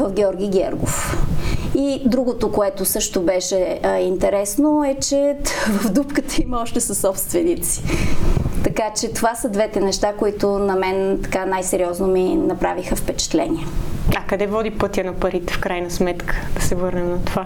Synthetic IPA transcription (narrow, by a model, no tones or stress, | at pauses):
vəfɡʲɛɔɾɡʲijɡʲɛɾɡo̰f | id̪ɾuɡot̪okoɛt̪osɤʃt̪obɛʃɛint̪ɛɾɛsnoɛt͡ʃɛvəvd̪upkət̪əimɐɔʃt̪ɛsɐsːɔpst̪vɛnit̪si̥ | t̪ɐkat͡ʃɛt̪ovasəd̪vɛt̪ɛnɛʃt̪akoit̪onɐmɛnt̪ɐ̥kanajsɛɾiɔznominɐpɾavixəfpɛt͡ʃɛ̥t̪lɛ̰nʲiɛɐkɐd̪ɛvɔd̪ipɤt̪ʲjɐnɐpɐɾit̪ɛ̥fkɾajnəsmɛt̪kʰə̥d̪̥ɐsɛvɤɾnɛmnɐt̪ova